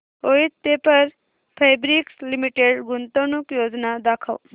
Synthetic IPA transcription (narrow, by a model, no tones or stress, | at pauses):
oit̪ːepɐɾ | pʰejbɾikslimiʈeɖɡʊnt̪onukjoːd͡ʒnad̪akʰə̰w